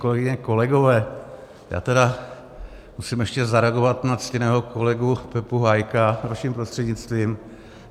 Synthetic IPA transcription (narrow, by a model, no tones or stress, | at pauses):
ko̞lɛɡɪɲɛko̞lɛɡo̞vɛː | ja̰ːt̪ɛda | musimjɛʃcɛzaɾɛaɡo̞vat̪nat͡scɪnɛːɦokolɛɡupɛpuɦajkavaʃɪmpɾost̪r̥ɛdɲɪt͡st̪viːm